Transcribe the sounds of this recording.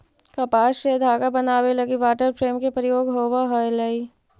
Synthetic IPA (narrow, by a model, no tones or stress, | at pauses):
kɐpaːʃɾed̪ʱaːɡabɐnaːwelɐɡibaːʈəɾpʰɾeːmkepɾɪjoːɡɦoːʋaɦəjlɐi